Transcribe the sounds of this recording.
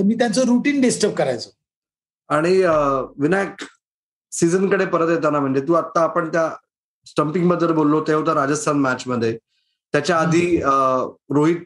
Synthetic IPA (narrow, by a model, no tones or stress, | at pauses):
t̪əmiːt̪jant͡soɾuʈiːnɖisʈəɾp̚kəɾajt͡so | aɽ̃iʋinaʈ | sid͡zənkəɽepəɾət̪jet̪anam̤əɳd͡ʑet̪uːat̪ːaːpəɳt̪ja | sʈəmpĩŋɡbəd̪ʱːəlbolːot̪eɦot̪aɾad͡ʑəst̪ʰanmæt͡ɕməd̪ʱːje | t̪jat͡ɕjaːd̪ʱiː | ɾoɦiːt̪̚